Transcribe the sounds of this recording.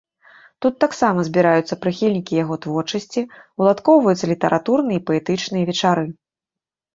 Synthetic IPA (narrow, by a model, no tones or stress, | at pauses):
t̪ut̪ːaksamɐzʲbʲiɾajut̪sːɐpɾɨxʲilʲnʲikʲijaɣɔt̪vɔrt͡ʂɐsʲt͡sʲiulˠat̪kɔwvɐjut̪sːɐlʲit̪ɐɾʔat̪urnɨjɐipɐɛt̪ɨt͡ʂnɨjɐvʲɛt͡ʂaɾɨ